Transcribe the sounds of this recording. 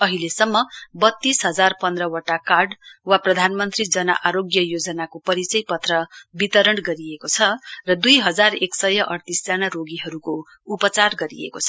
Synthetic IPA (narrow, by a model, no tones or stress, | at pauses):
ʌɦilesʌmːʌbʌt̪ːisɦʌd͡zarpʌnd̪rʌwaʈakarɖwaprʌd̪ʱanmʌnt̪rid͡zʌnʌ̰ʔaɾoɡjʌjod͡zʌnakopʌɾit͡sʌjpʌt̪rʌbit̪ʌɾʌɳɡʌɾiekot͡sʰʌrʌd̪ujɦʌd͡zareksʌjʌʔʌrt̪isd͡zanaɾoɡiɦʌɾuko | upʌt͡sarɡʌɾḭḛkot͡sʰʌ̥